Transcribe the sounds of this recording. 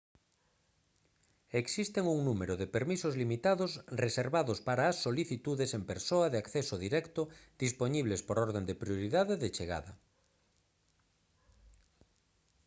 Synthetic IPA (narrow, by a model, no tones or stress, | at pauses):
eksist̪eŋuŋnumeɾoðepeɾmisozlimit̪aðosreseɾβaðospaɾaːsːoliθit̪uðesempeɾsoaðeakθesoðiɾɛkt̪ʊd̪̥ispoɲiβ̞lespoɾoɾðend̪epɾjoɾiðaðeðet͡ʃeɣ̞a̰ðɐ